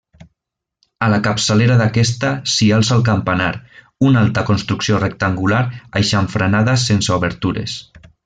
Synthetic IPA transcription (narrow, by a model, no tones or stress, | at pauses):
alakapsaleɾaðakɛst̪asialˠsalˠk̬ampanaɾ | unalˠt̪akonst̪ɾuksiorek̚t̪aŋɡulaɾajʃaɱfɾanaðasensauβeɾt̪uɾḛs